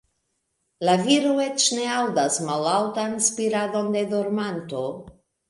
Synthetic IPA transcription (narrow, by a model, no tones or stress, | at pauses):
laviɾoet͡ʃneawd̪asmalawt̪anspiɾado̞nd̪e̞d̪oɾmant̪o